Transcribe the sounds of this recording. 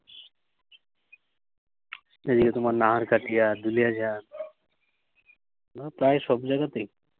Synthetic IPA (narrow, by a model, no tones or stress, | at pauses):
nad͡ʒikat̪umalnaɦaɾkaʈijad̪ulijad͡ʑʱa | napɾajsɔbd͡zaɡat̪i